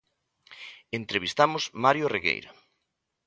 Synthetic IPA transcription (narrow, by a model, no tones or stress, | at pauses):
ent̪ɾeβist̪amʊsmaɾjoriɣḛjɾa̰